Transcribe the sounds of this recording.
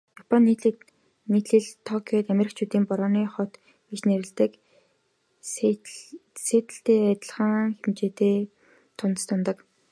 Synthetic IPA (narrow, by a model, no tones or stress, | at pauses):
jɔpʰɔnːiɮ | nit̪ɮɘ̆ɮt̪ʰɔkʰiɔːt̪æmʲeɾɪ̆k̚t͡ɕʰuːt̪iːmpʊɾɔːniːχɔt̪ | it͡ɕneɾɘ̆ɮt̪ɘ̆k | seːt̪ɘ̆ɬt̪eːæt̪ə̆ɮʁə̆ŋxemt͡ɕeːt̪eː | t̪ʰʊnt̪ə̥̆st̪ʰʊnt̪ɞ̆k